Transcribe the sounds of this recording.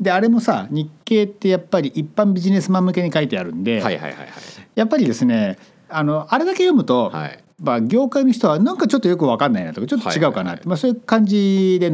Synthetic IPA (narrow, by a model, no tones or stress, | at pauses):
d̪e̞aɾe̞mo̞sa̰ɲ̟ikːe̞ːt̪ːe̞japːaɾʲiʔipːãmbʲiʑine̞sɨmamːɯ̟ke̞ɲ̟ikait̪e̞aɾɯ̟̰̃nd̪e̞a̰jha̰a̰japːaɾʲid̪e̞sɨne̞ | ano̞ʔaɾe̞d̪ake̞jo̞mɯ̟t̪o̞̰ | maɡʲo̞ːkainoçi̥t̪o̞βanãŋkat͡ɕo̞t̪ːojo̞kɯ̟βakãnːaina̰t̪o̞kat͡ɕo̞t̪ːot͡ɕiɡaɯ̟kana̰t̪ːemaso̞ːjɯ̟kãɲ̟d͡ʑid̪e̞